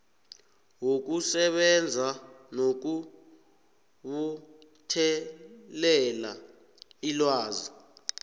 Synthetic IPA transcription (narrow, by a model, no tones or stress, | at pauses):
wok̬usɛɓɛnd͡zʱanok̬u | ɓu | tʰɛlɛla | ilwaːzi